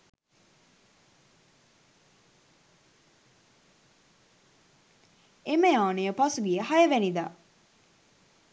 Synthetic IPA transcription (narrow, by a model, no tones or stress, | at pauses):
eməjaːnejəpɐsuɡijəhɐjəʋænid̪aː